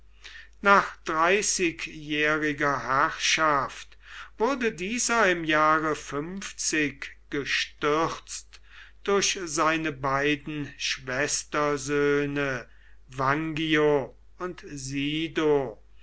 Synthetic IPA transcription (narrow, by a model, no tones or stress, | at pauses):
naːχd̥ʁaɪsɪkjɛːʁɪɡɐhæʁʃaft | v̥ʊɐdədiːzɐɪmjaːʁəfʏmft͡sɪkɡ̥əʃtʏʁt͡st | d̥ʊɐɕzaɪnəbaɪdn̩ʃv̥ɛstɐzøːnə | vaŋɡio | ʊntziːdo